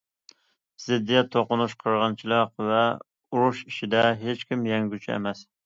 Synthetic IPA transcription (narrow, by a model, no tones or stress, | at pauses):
z̥ɪd̪ːijɛt̪ʰoqʊnuʃqʰəɾʁɑnt͡ʃʰilˠɑqvɛ | uɾuʃiʃid̪ɛɦet͡ʃkʲimjɛŋɡʲyt͡ʃʰɛ̰mɛs